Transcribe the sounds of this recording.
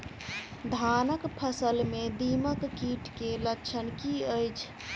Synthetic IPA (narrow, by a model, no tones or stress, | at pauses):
d̪ʱanəkpʰəsəlmed̪iməkːiʈkelət͡ʃʰənkiəjt͡ʃʰ